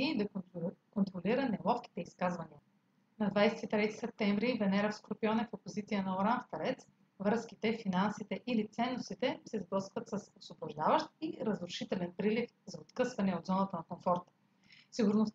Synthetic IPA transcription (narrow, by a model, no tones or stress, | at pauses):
id̪ɐkont̪ɾoliɾənɛlˠɔfk̟i̥t̪ɛiskazvɐniə | nɐd̪vajsɛ̥t̪it̪ɾɛt̪i̥sɛp̚t̪ɛɱvɾivɛnɛɾəfskɾopiɔnɛfopozit̪sijənɐoɾanft̪ɐɾɛt̪s | vɾɤskit̪ɛfinansit̪ɛʔilit̪sɛnːost̪it̪ɛsɛzbɤskvət̪sɐsosvoboʒd̪avəʃt̪̚iɾɐzɾʊʃit̪ɛlɛnpɾilif | zɐot̪kɤsvɐnɛod̪zɔnət̪ənɐkomfɔɾt̪ | siɡʊɾnos